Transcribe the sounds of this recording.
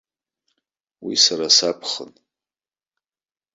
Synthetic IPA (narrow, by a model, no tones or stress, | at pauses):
wḭsaɾasapʰχən